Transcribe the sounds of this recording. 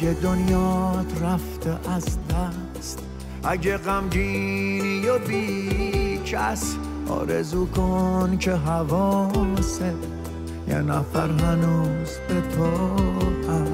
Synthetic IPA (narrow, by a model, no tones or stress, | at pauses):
ed̪onjɒːt̪ʰɾæft̪eʔæzd̪æ | st̪ | æɟeɣæmd͡ʒinijobi | t͡ʃʰæs | ɒ̰ːɾḛzuːkʰonkʰeɦævɔːse | jɛ̰næfæɾɦænuːz̥bet̪ʰɔːt̪ʰæ